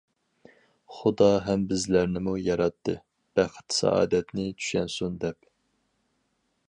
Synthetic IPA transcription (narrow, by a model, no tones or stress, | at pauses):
χʊd̪ɑɦɛmbɪzlæɾnɪmujɑɾɑt̪ʰːɨ | b̥æχɪ̥t̪sɛ̰ɑ̰ːd̪ɛt̪nɪt͡ʃʰy̥ʃɛnsund̪ɛp